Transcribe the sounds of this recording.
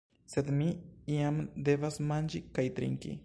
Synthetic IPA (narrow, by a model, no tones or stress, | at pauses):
sed̪miiamd̪eβasmand͡ʒikajt̪ɾḭŋkḭ